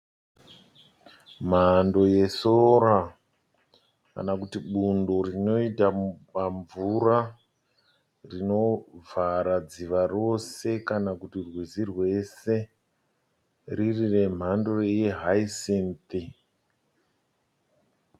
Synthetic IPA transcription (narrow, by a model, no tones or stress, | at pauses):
m̤ando̞je̞soɾa | ka̰nakutiɓundo̞rino̞itapaɱvura | rino̞vaɾad͡ziʋaro̞se̞kanakutirwizirwe̞se̞ | ririre̞m̤ando̞rjeɦaisint̪i